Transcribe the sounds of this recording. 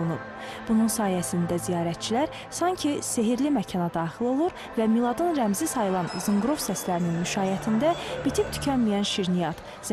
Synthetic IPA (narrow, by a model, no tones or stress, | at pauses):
unup̚ | b̥ununsɑːjæsind̪æzijɑːɾæt̪̚t͡ʃʰilæɾ | sɑɲcʰise̞ɦiɾlimæcʰɑnɑd̪ɑːχilˠo̞lˠuɾ | væmilˠɑd̪ɯnɾæmzisɑjɯlˠɑnzɯŋɡɾo̞vsæslæɾininmyʃɑːjæt̪ʰind̪æb̥it̪ʰipt̪ʰy̥cʰænmijænʃiɾnijɑt̪ | z̥